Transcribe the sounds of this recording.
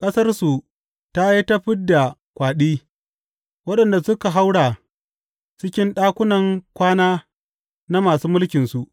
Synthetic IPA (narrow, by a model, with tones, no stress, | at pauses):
kʼɐ˦sɐ˦rsu˨ | ta˦ji˦ta˦ɸɪ˦dːa˨ | kʷaː˨ɗiː˦ | wɐ˦ɗɐ˨nda˨sʊ˦ka˨ɦa˦wɽaː˨ | t͡ʃɪ˦kʲɪ˦nɗaː˦kʷʊ˦nɐ˨ŋkʷaː˦naː˦ | na˦maː˨suː˦mʊ˦lkʲɪ˨nsu˨ʔ